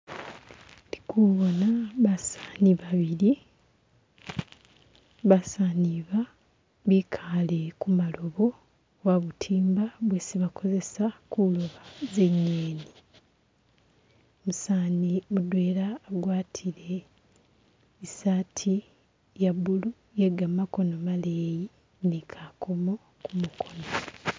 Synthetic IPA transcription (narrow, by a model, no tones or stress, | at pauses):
li̥kuβo̞naβasḁːniβaβiɾi | βasaːniβa | βikʰale̞kumalo̞βo̞ | waβutʰiːmbaβwesiβako̞ze̞sakuloβaze̞ɲːeːni | musanimudwe̞ːlaːɡwaːtʰiɾe̞ | isaːtʰi | jaβulu | jeɡamako̞no̞maleːji | nekʰakʰo̞mo̞ | kumukʰo̞no